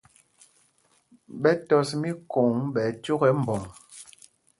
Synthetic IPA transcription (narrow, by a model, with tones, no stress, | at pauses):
ɓɛ˦tɔ˨smi˦ko˨ŋɓɛ˨˦t͡ʃo˦ɣɛ˨˦m̩˨bɔ˨ŋ